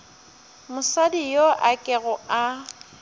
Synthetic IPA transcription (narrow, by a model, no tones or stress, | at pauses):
mʊsadijoʔakʼɛɣʊa